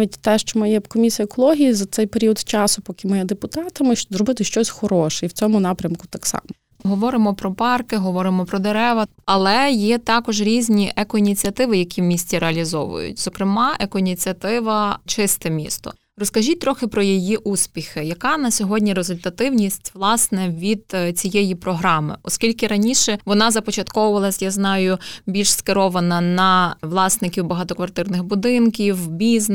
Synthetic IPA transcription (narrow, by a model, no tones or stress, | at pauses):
ʋʲitʲt̪ɛʃt͡ʃɔmɪjɛkɔmʲisʲiɐekɔlˠɔɦʲijizɐt̪sɛjpeɾʲiɔd̪t͡ʃɑsʊpɔkʲɪmɪjɛd̪epʊt̪ɑt̪ɐmɪʃzɾɔbɪt̪ɪʃt͡ʃɔsʲxɔɾɔʃɛiwt͡sʲɔmʊnɑpɾʲɐmkʊt̪ɑksɑ̰mɔ | ɦɔʋɔɾɪmɔpɾɔpɑrkɪɦɔʋɔɾɪmɔpɾɔd̪eɾɛʋɐ | ɐlˠɛjɛt̪ɑkɔʒɾʲizʲnʲiʔɛkɔinʲit͡sʲiɐt̪ɪʋɪjɐkʲiwmʲisʲt͡sʲiɾeɐlʲizɔ̰ʋʊ̰jʊ̰t̚ʲzɔkɾɪmɑʔɛkɔinʲit͡sʲiɐt̪ɪʋɐt͡ʃɪst̪ɛmʲḭst̪ɔ̰ | rɔskɐʒʲit̚t̪ɾɔxɪpɾɔjɔjiʔuspʲixɪjɐkɑnɐsʲɔɦɔdʲnʲiɾezʊlʲt̪ɐt̪ɪwnʲisʲtʲʋlˠɑsnɛʋʲid̪t͡sʲijɛjipɾɔɦɾɑmɪ̰ɔskʲilʲkɪɾɐnʲiʃɛʋɔnɑzɐpɔt͡ʃɐt̪kɔwʊʋɐlˠɐsʲjaznɑjʊbʲilʲʃskɪɾɔʋɐnɐnɐʋlˠɑsnɪkʲiwbɐɦɑt̪ɔkʋɐrt̪ɪrnɪɣbʊd̪ɪnkʲiwbʲizn